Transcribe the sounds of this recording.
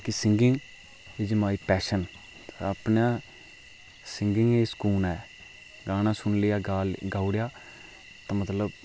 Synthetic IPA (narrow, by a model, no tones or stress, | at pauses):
kɪsɪ̃ŋɡɪŋɡ | ɪd͡ʒəmaːiːpɛːʃən | ɾəpnãː | sɪ̃ŋɡɪŋɡeːskuːnɛː | ɡaːnãːsʊnlɪjaːɡaːɡaːʊɽjaː | t̪ãːmət̪ləb